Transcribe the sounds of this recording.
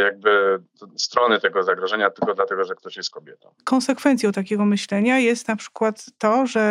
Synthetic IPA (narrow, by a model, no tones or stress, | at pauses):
jaɡ̚bɘ | st̪ɾɔnɘt̪ɛɡɔzaɡɾɔʐɛɲat̪ɘlkɔd̪lat̪ɛɡɔʐɛk̚t̪ɔɕjɛst̪̚kɔbʲjɛt̪ɔ̰̃w̃kɔnsɛkfɛnt̪sʲjɔ̃wt̪akʲɛɡɔmɘɕlɛɲajɛst̪napʂɘ̥kwat̪ːɔʐɛ